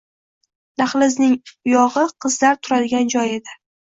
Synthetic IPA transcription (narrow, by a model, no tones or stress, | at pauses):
naχlɪznɪŋʊjɒʁɨqʰɨzlaɾt̪ʰʊɾad̪ɪɡʲand͡ʒɒje̞d̪ɪ